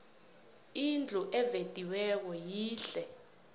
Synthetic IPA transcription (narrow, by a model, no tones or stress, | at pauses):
ind͡ɮʱuʔɛved̥ʱiwɛk̬ɔjiːɬɛ